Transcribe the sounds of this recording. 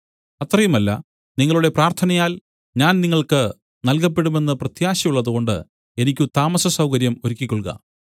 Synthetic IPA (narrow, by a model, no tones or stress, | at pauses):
ɐt̪rɐjumɐlːɐ̰ | niŋːɐɭuɽe̞praːrt̪ʰɐnɐjaːl | ɲaːnniŋːɐɭkɨ | nɐlkɐp̬ːe̞ɽume̞nːɨprɐt̪jaːɕɐjuɭːɐðuɣo̞ɳɖɨ̰ | e̞nikʲːut̪aːmɐsɐsɐwkɐɾjɐmoɾukʲːikʲːoɭkɣɐ̰